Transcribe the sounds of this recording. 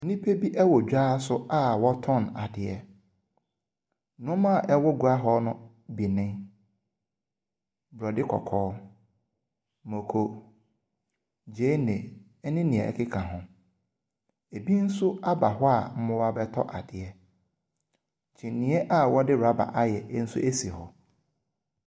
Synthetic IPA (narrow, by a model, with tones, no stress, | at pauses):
nĩ˦pʰe˦bi˦ʔɛ˦wɔ˨d͡ʑᶣaː˦sʊ˦a˦wɔ˦tʰɔ̃˦˨na˨dɪ˨ɛ˨˦ | nʊ̃˦mã˦˨ʔɛ˦wɔ˦ɡu˨a˦ɦɔ˦nʊ̃˦ | bi˨nɪ̃˦ | bɾɔ˨dɪ˦kʰɔ̰˨kʰɔː˦ | mo˨kʰo˨ | d͡ʑe˦nẽ˨ | ɛ˦nɪ̃˦nĩ˨ɛ̰˨ɛ̰˨kʰɪ˦kʰã˨ɦʊ̃˨ | e˨bi˦n̩˦sʊ˦a˦ba˨ɦɔ˦a˨m̩˦mʊ̃˦wa˦bɛ˦tʰɔ̰˦ʔa˨dɪ˨ɛ˨ | t͡ɕʰĩ˨nĩ˨˦ɛ˦ʔa˨wɔ˦dɪ˦ɾa˦ba̰˨ʔa˦jɛ˨˦n̩˦sʊ̰˦e˦si˨hɔ˨